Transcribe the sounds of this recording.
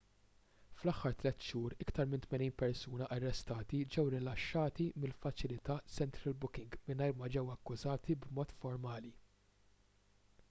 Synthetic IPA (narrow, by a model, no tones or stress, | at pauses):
flɐħːɐɾt̪lɛt̪ːʃuːɾɪkt̪ɐɾmɪnt̪mɛniːnpɛɾsuːnɐʔɐrːɛst̪ɐːt̪id͡ʒɛwɾɪlɐʃːɐːt̪imɪlfɐt͡ʃɪlɪt̪ɐsɛnt̪ɾɐlbʊkɪŋɡmɪnɐjɾmɐd͡ʒɛwɐkːʊzɐːt̪ibmɔːt̪fɔɾmɐːli